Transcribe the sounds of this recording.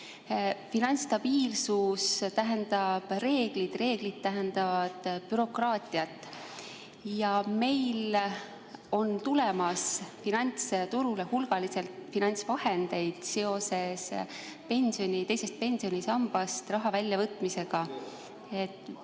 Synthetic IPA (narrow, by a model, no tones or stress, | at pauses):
finɑnʲt̪st̪ɑb̥iːlsust̪æɦend̪̥ɑb̥re̞ːɡ̥lid̪̥re̞ːɡ̥lid̪̥̚t̪ːæɦend̪ɑvɑd̪̥b̥yɾo̞krɑːt̪ʲiɑt̪ːˑ | jɑme̞jl | o̞nt̪ulemɑsfinɑnʲt̪st̪uɾulehulɡ̥ɑlise̞lt̪finɑnʲt̪svɑhe̞nd̪̥e̞jd̪̥se̞o̞se̞s | pe̞nʲsio̞nʲit̪e̞jse̞st̪̚pe̞nsio̞nʲisɑmb̥ɑst̪rɑɦɑvælʲːjɑvɤt̪ːˑmise̞ɡ̥ɑ | e̞t̪ːˑ